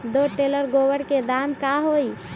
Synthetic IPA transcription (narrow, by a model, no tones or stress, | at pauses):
d̪oʈeləɾɡoʋəɽked̪ankaɦoi